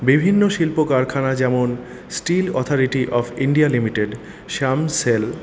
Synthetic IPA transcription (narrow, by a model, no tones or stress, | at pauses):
bibʱinːoʃilpokaɾkʰanad͡ʑɛmon | sʈilɔt̪ʰoɾiʈiʔɔfʰiɳɖialimiʈeɖ | ʃamsel